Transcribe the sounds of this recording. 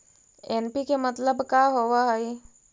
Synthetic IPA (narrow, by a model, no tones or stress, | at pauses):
enpikemət̪ləbkaɦoʋaɦəi